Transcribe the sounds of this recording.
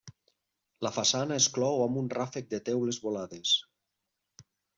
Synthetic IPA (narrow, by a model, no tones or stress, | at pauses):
ləfasanaesklɔwamunrafek̚d̪et̪ɛwlezβolaðes